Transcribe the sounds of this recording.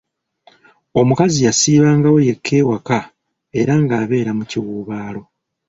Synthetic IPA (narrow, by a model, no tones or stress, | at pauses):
o̞mukazijasiːβaːŋɡawo̞je̞kʰːe̞ːwaka | e̞ɾaŋɡaːβe̞ːɾamuciwuːβaːlo̞